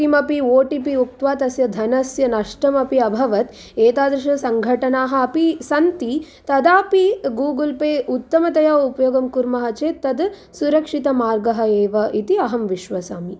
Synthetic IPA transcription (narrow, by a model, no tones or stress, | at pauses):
imɐpioːʈipiuk̚t̪ʋaːt̪ɐsjɐd̪ʱɐnɐsjɐnɐʂʈɐmɐpiɐbʱɐʋɐt̪ | eːt̪aːd̪ɾɐʂɐsɐŋɡʱɐʈɐnaːɦɐ̆ɐpisɐnt̪i | t̪ɐd̪aːpiɡuːɡɐlpeːʔut̪ːɐmɐt̪ɐjɐupɐjoːɡɐmkuɾmɐɦɐt͡ʃeːt̪ːɐd̪ | suɾɐkʂit̪ɐmaːɾɡɐɦɐ̆eːʋɐʔit̪iɐɦɐmʋiʃʋɐsaːmi